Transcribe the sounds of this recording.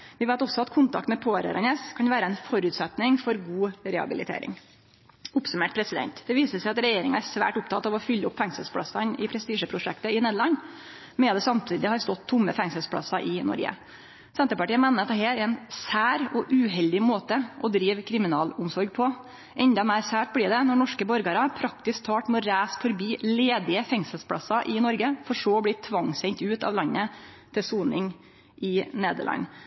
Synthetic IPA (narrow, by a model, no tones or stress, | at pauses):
ʋɪʋæɪt̪ɔsːɔɑt̪kʰʊnt̪ʰɑ̰k̚t̪mɛpʰoːɾə̰ɾɑ̰neːskʰɑnʋæːɾəɛnfɔɾʉːt̪sɛt̪nɪŋfɔɾɡuːɾɛɑ̰bɪlɪ̰t̪ʰḛːɾɪ̰ŋ | ʊpsʉmeːʈ̚pʰɾɛsɪd̪ɛ̰nt̪d̪̥ɛʋiːsəsæɪɑt̪ɾɛjeːɾɪŋɑæɾsʋæ̰ːʈʊp̚t̪ʰɑt̪ɑʋɔfʏlːəʊpːfɛŋsəlspʰlɽɑ̰sɑnɪpʰɾɛst̪iːʂəpʰɾʊʂɛ̰kt̪əɪneːd̪əlɑnː | mɛd̪ɛsɑmt̪ʰiːd̪ɪhɑɾst̪ɔt̪ʰːʊmːəfɛŋsəlspʰɽɑ̰sɑʔɪnɔ̰ɾɡə̰ | sɛnt̪əɾpɑʈiːəmæːnəɾɑt̪d̪ɛɦeːɾɛɪnsæːɾɔʔʉːɦɛld̪ɪmoːt̪əʔɔd̪ɾiːʋkʰɾɪmɪnɑːlʊmsɔɾɡ̚pʰɔ | ʔɛnd̪ɑmæɪɾsæːʈ̚blɪːɖ̪ɛnɔɳɔʂkəbɔɾɡɑɾɑpʰɾɑkt̪ɪsk̚t̪ʰɑːʈmɛɔɾæːsfɔɾbiːleːd̪ɪəfɛŋsəlspʰɽɑ̰sɑʔɪnɔɾɡəfɔʂoblɪt̪ʰʋɑŋːsɛŋt̪ʉːt̪ɑ̰ʋlɑnːə | t̪ʰɪsuːnɪŋ | ʔɪnḛːd̪ə̰ɭʔɑ̰nː